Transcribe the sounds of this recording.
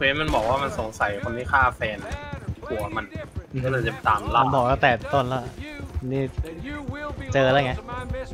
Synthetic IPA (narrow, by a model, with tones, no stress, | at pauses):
kʰeː˧˦nma˧nbɔː˨˩k̚waː˥˩ma˧nso˩˦ŋsa˨˩˦jkʰa˧nwi˦˥˩kʰaː˥˩fɛː˧na˨kʰu˨˩˦ma˧n˧ɔ˥˩naː˧˩t̪e˨˩t̪aː˧˩mla˥˧˩bɔː˨˩k̚laː˥˩t̪ɛː˨˩t̪o˥˩nlɛ˦˥˩ʔa˧nːiː˦˥˩ | t͡ɕɤː˧la˦˥˩ŋa˦˥